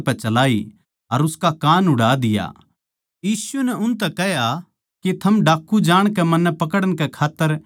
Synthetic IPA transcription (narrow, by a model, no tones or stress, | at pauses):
pɛt͡ʃɐlaːi | ɐɾʊskakaːnʊɽaːd̪ɪja̰ | jiːsunɛʊnt̪ɛkɛɦja | ket̪ʰɐmɖaːkʰːud͡ʒaːɽ̃kɛmɐnːɛpɐkəɽəɽ̃kɛkʰaːt̪ːəɾ